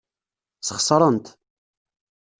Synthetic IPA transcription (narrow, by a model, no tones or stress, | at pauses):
səχsˤɾˤənt̪